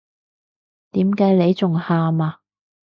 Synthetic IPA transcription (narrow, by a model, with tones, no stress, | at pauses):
t̪iː˨˥mkaː˨˥jle˨˧jt͡sʊ˨ŋhaː˧maː˧